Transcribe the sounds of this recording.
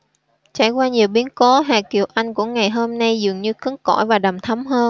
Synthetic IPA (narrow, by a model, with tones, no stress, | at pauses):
t͡ɕa̰ː˧˩jkwaː˧ɲi˨˩əwɓi˨˦ənko˨˦ɦaː˨˩ki˨˩əwʔa˧jŋ̟kṵ˧˩əŋa˨˩jɦo˧mna˧jzɨ˨˩əŋɲɨ˧kɨ˨˦ŋkɔ̰˧˩jvaː˨˩ɗa˨˩mt̪ʰə˨˦wmɦəː˧